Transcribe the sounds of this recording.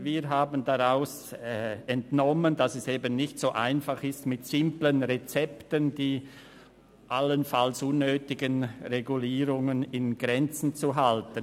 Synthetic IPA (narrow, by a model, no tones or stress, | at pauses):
viːɐɦaːbəndaʁaʊs | ɛntnɔməndasɛseːbənːɪçtz̥oːʔaɪnfaχɪstmɪtsɪmplənʁet͡sɛptəndiː | ʔalənfalsʊnːøːtɪɡənʁeɡuliːʁʊŋənɪnɡ̥ʁɛnt͡sn̩t͡suɦaltən